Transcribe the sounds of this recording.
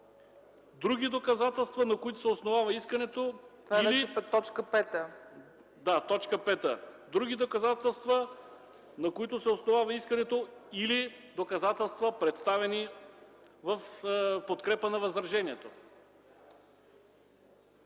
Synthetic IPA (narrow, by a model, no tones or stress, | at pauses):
d̪ɾuɡʲid̪okɐzat̪ɛlˠst̪vɐnɐkoit̪ʊ̥sɛosnovavɐiskɐnɛt̪ot̪vanialiɛɛt̪ɔt͡ʃkəpɛt̪ə | d̪at̪ɔt͡ʃkəpɛt̪ə | d̪ɾuɡ̟id̪okɐzat̪ɛlˠst̪və | nɐkoit̪ʊsɛosnovavɐiskɐnɛt̪oili | d̪okɐzat̪ɛlˠst̪vɐpɾɛt̪st̪avɛni | vɐfpot̪kɾɛpənɐvɐzɾɐʒɛniɛt̪o